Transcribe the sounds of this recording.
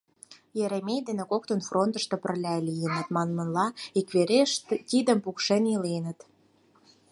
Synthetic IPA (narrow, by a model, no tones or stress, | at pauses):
jeɾemejd̪enekok̚t̪ə̆nfront̪ə̆ʃt̪ŏpə̆rlʲælijənə̆t̪mɑnmə̆nlɑikβeɾeʃt̪t̪id̪ə̆mpukʃenilenə̆t̪